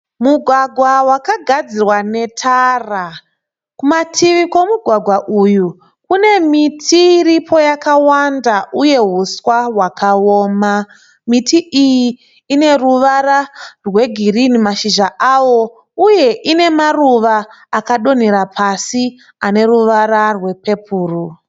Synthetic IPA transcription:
muɡʱwaɡʱwawakaɡʱad͡zirwane̞tʰara | kumatʰiʋikwo̞muɡʱwaɡʱwaʔuju | kune̞mitʰiɾipʰo̞jakawandaʔuje̞ɦuswaɦwakʰaoːma | mitʰiʔijiː | ne̞ruʋararwe̞ɡʱirinimaʃiʒaʔawo̞ | uje̞ʔine̞maruʋaː | kaɗo̞niɾapʰasi | ane̞ruʋaɾarwe̞pe̞pʰuːru

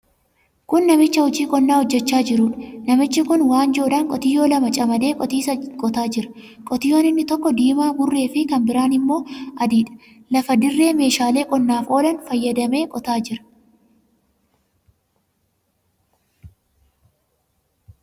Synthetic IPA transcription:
kʊnːɐmɪt͡ʃːɐhɔt͡ʃiːkʼɔnːaːhɔd͡ʒːɛt͡ʃːaːd͡ʒɪɾuːᶑɐnɐmɪt͡ʃːɪkʊnwaːnd͡ʒo̞ːᶑɐŋkʼɔt̪ɪjo̞ːlɐmɐt͡ʃʼɐmɐd̪e̞ːkʼɔt̪iːsɐkʼɔt̪aːd͡ʒɪɾɐ̥ | kʼɔt̪ɪjoːnɪnːɪt̪ɔkːɔd̪iːmaːbʊrːe̞ːfɪkɐmbɪɾaːnɪmːo̞ːʔɐd̪iːᶑɐ̥ | lɐfɐd̪ɪrːe̞ːme̞ːʃaːle̞ːkʼɔnːaːfo̞ːlɐnfɐjːɐd̪ɐme̞ːkʼɔt̪aːd͡ʒɪɾɐ̥

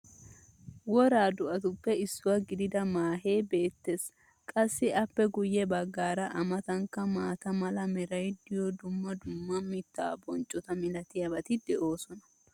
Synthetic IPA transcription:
wɔɾaːd̪ʊʔɐt̪ʊpːɛɪsːʊwɐɡɪd̪ɪd̪ɐmaːɦe̞ːbe̞ːt̪ːe̞ːs | kʼɐsːɪɐpːɛɡʊjːɛbɐɡːaːɾɐʔɐmɐt̪ɐŋkːɐmaːt̪ɐmɐlɐmɛɾɐjd̪ɪjɔd̪ʊmːɐd̪ʊmːɐmɪt̪ːa̰ːbɔnt͡ʃʼːɔt̪ɐmɪlɐt̪ɪjɐbɐt̪ɪd̪ɛʔo̞ːsɔnɐ̥

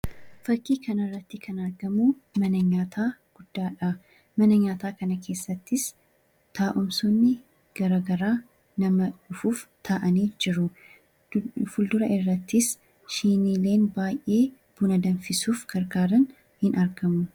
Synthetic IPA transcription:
fɐkːiːkʰɐnɐrːɐt̪ːɪkʰɐnɐɾɡɐmumɐnɐɲaːt̪ʰaːɡ̥ʊd̪̥ːaːᶑɐ | mɐnɐɲaːt̪aːkɐnɐkʰe̞ːsːɐt̪ːɪs | t̪ʰaːʔʊmsɔnːɪ | ɡ̥ɐɾɐɡɐɾaː | nɐmɐᶑʊfuːft̪ʰaʔɐniːd͡ʒɪɾʊ | fʊld̪ʊɾɐɪrːɐt̪ːɪs | ʃiːniːle̞ːnbaːjʔʔe̞ː | b̥ʊnɐd̪ɐnfɪsuːfɡ̥ɐɾɡaːɾɐn | hɪnʔɐɾɡɐmʊ

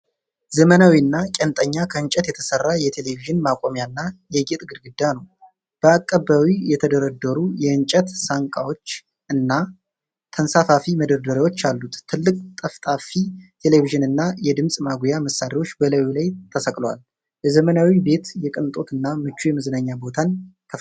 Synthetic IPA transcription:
zəmənawiɨnːakʼɛnt̪ʼəɲːakʰəɨɲt͡ʃʼɛt̪jɛt̪ʰə̥sərːajɛt̪ʰe̞le̞viʒɨnmakʼo̞mjanːajɛɡet̪ʼɡɨd̪ɡɨd̪ːanəw | b̥əakʼːəbawijɛt̪ʰəd̪əɾəd̪ːəɾujɛɨnt͡ʃʼɛt̪saŋkʼawo̞t͡ʃː | ɨnːa | t̪ʰənsafafiməd̪əɾd̪əɾewo̞t͡ʃːalːut̪t̪ʰːɨlːɨkʼt̪ʼəft̪ʼafit̪ʰe̞le̞viʒɨnɨnːajɛd̪ɨmsʼmaɡujaməsːaɾiwo̞t͡ʃːbələwilajt̪ʰəsəkʼlwa̰l | bɛzəmənawibe̞t̪jɛkʼɨnt̪ʼo̞t̪ɨnːamɨt͡ʃːujɛmɨzɨnaɲːabo̞t̪ʰant̪ʰə

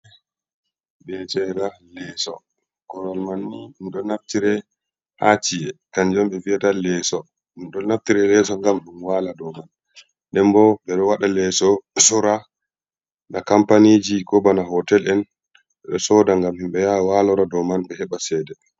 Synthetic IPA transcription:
bɛt͡ʃɛɾalɛsɔ | kɔɾɔlmanːinɗɔnaftiɾɛ | hat͡ʃiɛkand͡ʒɔmɓɛviatalɛsɔ | nɗɔnaftiɾɛlɛsɔŋɡamɗunwaladɔman | ɗɛmbɔbɛɗɔwaɗalɛsɔsɔɾa | nakampanid͡ʒikɔbanaɦɔtɛlɛn | ɛɗɔsɔdaŋɡamhimɓɛjawalɔɾadɔmanɓɛhɛɓasɛːdɛ

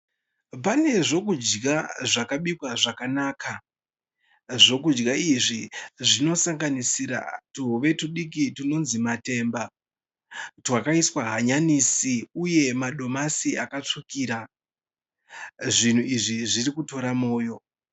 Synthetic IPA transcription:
pane̞ʐo̞kud͡ʒɡaʐakaɓikwaʐakanaːka | ʐo̞kud͡ʒɡaiʐiʐino̞saŋɡanisiɾa̰tuʋe̞tuɗik̬ituno̞nzimate̞ːmba | twakaiswaɦaɲaniːsiuje̞maɗo̞masiakat͡ʂikiːɾa | ʐin̤uiʐiʐirikuto̞ɾamo̞ːjo̞

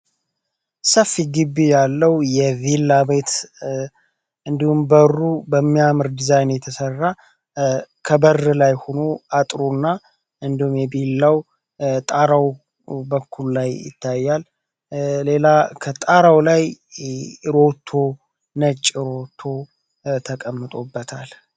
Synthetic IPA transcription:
səfːiɡɨbːijalːəwjɛvilːabet̪ | ɨnd̪ihumbərːubəmːijamɨɾd̪izajnjɛt̪ʰəsərːa | kʰəbərːɨlajho̞no̞at̪ʼɾunːa | ʔɨnd̪ihumjɛbilaw | t̪ʼaɾaw | bəkʰːululajɪ̰t̪ʰːajːalː | e̞lakʰət̪ʼaɾawlaj | ɾo̞t̪ʰːo̞ | nət͡ʃʼːɾo̞t̪ʰːo̞ | t̪ʰəkʼəmːɨt̪ʼobːət̪ʰal

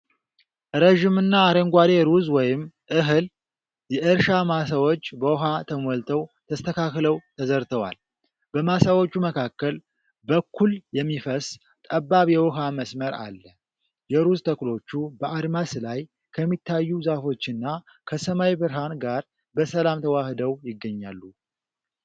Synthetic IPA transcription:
ʔɾəʒɪmɨnːaːɾəŋɡʷad̪eɾuzwɔjɪmʔɨɦɨl | jɛʔɨɾʃamasawot͡ʃːbəwɔɦat̪ʰəmolt̪ʰəwt̪ʰəst̪ʰəkʰakləwt̪ʰəzəɾt̪ʰəwa̰l | b̥əmasawot͡ʃːuməkʰakːəl | bəkʰːuljɛmːifəs | t̪ʼəbːaβjɛwɔɦaməsməɾʔa̰lːə | jɛɾuzt̪ʰəklo̞t͡ʃːubəad̪maslaj | kʰəmːit̪ːajːuzafo̞t͡ʃːɨnːa | kʰəsəmajbɨɾɦanɡaɾ | bəsəlamt̪ʰəwahd̪əwjɪɡːəɲːalːu

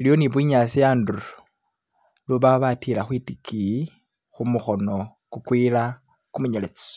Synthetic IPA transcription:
ilio̞niβwiɲasijaːnduɾ | luβaβatilaxwitiki | xumuxo̞no̞ | kukwila | kumuɲelet͡si̥

